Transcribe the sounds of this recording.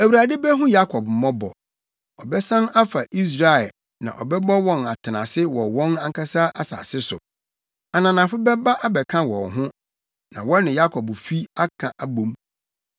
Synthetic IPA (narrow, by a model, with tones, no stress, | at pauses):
æ˨wu˨ɾa˨dɪ˦bɛ˦ɦʊ̃˦ja˦kʰɔ˨bm̩˨mɔ̃˦bɔ̰˨ | ɔ˨bɛ˦sã˦na˦fa˨ʔi˦s̬ɾa˨ɛ˨ | nã̰˨ʔɔ̰˨bɛ˦bɔ˦wɔ̃˦na˨tʰɪ˨nã̰˨sɪ˦wɔ˨wɔ̃˦nã˦ŋ̩˦kʰa˦sa˦ʔa˦sa̰ː˨sɪ˦sʊ̰˨ | a˨nã˨nã˨fʊ˦bɛ˦ba˦ʔa˦bɛ˨kʰã˦wɔ̰˨nɦʊ̃˦ | nã̰˨wɔ̃˦nɪ̃˨ja˦kʰɔ˨bfi˦a˦kʰã̰˨ʔa˨bõ˨m